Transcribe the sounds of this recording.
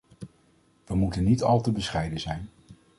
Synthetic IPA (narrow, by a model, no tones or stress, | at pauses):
ʋəmutənːitɑlˠtəbəsχɛjdəzɛjn